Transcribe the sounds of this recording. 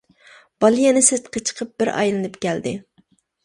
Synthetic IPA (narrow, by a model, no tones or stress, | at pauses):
b̥ɑlˠijenɪsɪt̪qʰɑt͡ʃʰə̥qʰəp̚b̥ɪɾɑ̰jlɨnɨpkʲɛld̪ɪ̰